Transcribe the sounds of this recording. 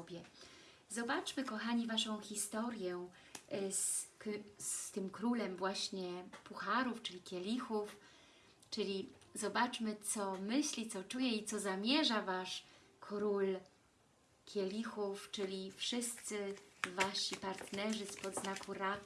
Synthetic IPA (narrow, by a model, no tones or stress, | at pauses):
ɔbʲjɛ | zɔbat͡ʂmɘkɔxaɲivaʂɔ̃w̃xʲist̪ɔɾjɛ | s | st̪ɘmkɾulɛmvwaɕɲɛpuxaɾuft͡ʂɘlʲikʲjɛlʲixuf | t͡ʂɘlʲizɔbat͡ʂmɘt̪sɔmɘɕlʲit̪sɔt͡ʂujɛit̪sɔzamʲjɛʐavaʂkʰɾul | kʲjɛlʲixuft͡ʂɘlʲifʂɘst̪sɘvaɕipaɾt̪nɛʐɘspɔd̪znakuɾa